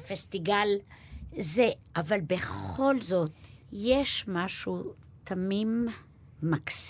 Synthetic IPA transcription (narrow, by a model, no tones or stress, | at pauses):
fest̪iɡal | zeʔavalbeχo̞lzo̞t̪jeʃmaʃu | t̪ʰamimː | aks